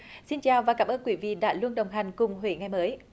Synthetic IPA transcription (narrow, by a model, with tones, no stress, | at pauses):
si˧nt͡ɕaː˨˩wvaː˨˩kaː˧˦mʔəː˧nkwi˧˩vḭ˧˨ɗa̰ː˧˥lu˧ənɗə˨˩wŋ͡mɦa˨˩jŋ̟kʊ˨˩ŋ͡mɦwḛ˧˩ŋa˨˩jməː˨˦j